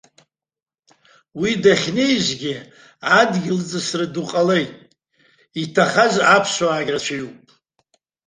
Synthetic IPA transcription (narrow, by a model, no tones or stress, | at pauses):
widaχʲnejʒʷɡʲɪ | adɡʲɪld͡zɨsrɨduqʼale̞jtʼ | itʰaχazapʰʃʷwaːɡʲrat͡ʃʷʰajupʼ